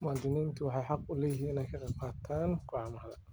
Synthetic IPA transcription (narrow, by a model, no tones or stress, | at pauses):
maːd̪ɪniːnt̪ʰʊwɑħɑjħɑq̚ʊlɛjɪɦːiːɪnɛjkʰɐqɑqaːt̪ʰaːnkʊʕmɐlɐ